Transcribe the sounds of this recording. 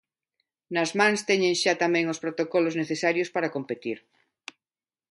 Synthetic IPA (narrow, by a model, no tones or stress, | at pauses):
nazmãŋst̪eɲẽŋʃat̪amẽŋospɾot̪okolozneθesaɾjospaɾakompet̪iɾ